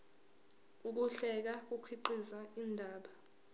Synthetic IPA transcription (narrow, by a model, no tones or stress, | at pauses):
uk̬uɬɛk̬ak̬ukʰwiǃizaindʱaːɓa